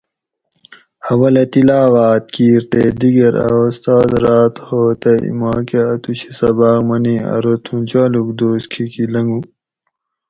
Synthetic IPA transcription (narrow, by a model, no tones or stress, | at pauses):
ɐwɐlɐt̪ilaːʋaːt̪̚kiːɾt̪ed̪iɡɐɾɐ̰ost̪aːd̪ɾaːt̪hoːt̪ɐḭmaːkeɐt̪uɕisɐbaːkmɐniɐ̰ɾot̪ʰũd͡ʑaːluk̚d̪oːskʰikilɐŋɡu